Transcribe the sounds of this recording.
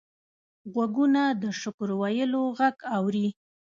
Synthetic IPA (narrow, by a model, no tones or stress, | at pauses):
ɣwaɡunad̪əʃʊkʊɾwajəloɣaɡawɾi